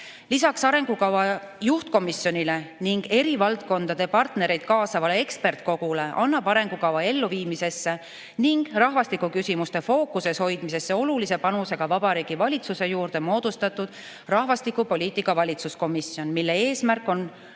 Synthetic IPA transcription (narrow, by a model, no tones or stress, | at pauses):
lisɑksɑɾe̞ŋɡ̥ukɑwɑ | juht̪̚ko̞misjo̞nʲile̞niŋɡ̥e̞ɾivɑlt̪̚ko̞nd̪ɑd̪e̞pɑrt̪ne̞ɾejd̪̥̚kɑːsɑvɑle̞e̞kspe̞rt̪̚ko̞ɡ̥ule̞ʔɑnːɑb̥ɑɾe̞ŋɡ̥ukɑvɑe̞lːuviːmise̞sːe̞ | niŋɡ̥rɑɦvɑst̪ikːˑukysimust̪e̞fo̞ːkuse̞sho̞jd̪̥mise̞sːe̞o̞lulise̞pɑnuse̞ɡ̥ɑvɑb̥ɑɾiːɡ̥ivɑlʲit̪suse̞juːrd̪e̞mo̞ːd̪̥ust̪ɑt̪ːˑud̪̥ | rɑhvɑst̪ikˑupo̞lʲiːt̪ːˑikːˑɑvɑlʲit̪susko̞misːjo̞nmilːe̞e̞ːsmærkːˑo̞n